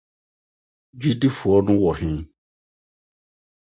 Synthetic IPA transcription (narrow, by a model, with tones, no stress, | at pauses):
d͡ʒi˦di˦fu˨ɔ˦nũ˦wɔ˨hĩ˦